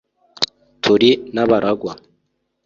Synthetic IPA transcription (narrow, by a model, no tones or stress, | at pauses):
tʰuɾinaβaɾʔaɡwa